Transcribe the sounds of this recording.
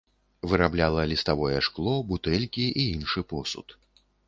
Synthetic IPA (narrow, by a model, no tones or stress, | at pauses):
vɨɾablʲalˠɐlʲist̪avɔjɛʂklˠɔbut̪ɛlʲkʲiʔiinʂɨpɔsṵt̪